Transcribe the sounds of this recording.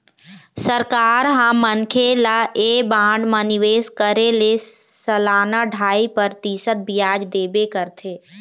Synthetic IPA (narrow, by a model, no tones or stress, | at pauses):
səɾkaːɾɦãmənkʰelaʔebãːɖmə̃nɪʋeːskəɾele | səlaːnaɖʱaːipəɾt̪isət̪̚bɪjaːd͡ʒd̪eːbekəɾt̪ʰeː